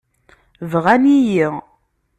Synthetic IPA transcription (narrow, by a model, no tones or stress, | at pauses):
vʁænijiʁ